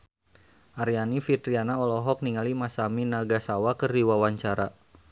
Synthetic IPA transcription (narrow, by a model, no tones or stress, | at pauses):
ʔaɾijanifit̪ɾianaɔlɔɦɔk̚niŋalimasaminaɡasawakəriwawaɲt͡ʃaɾa